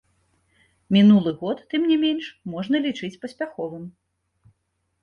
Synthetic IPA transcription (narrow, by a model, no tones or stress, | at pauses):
mʲinulˠɨɣɔt̪ːɨmnʲimʲenʂmɔʐnɐlʲit͡ʂɨt͡sʲpɐsʲpʲaxɔvɨm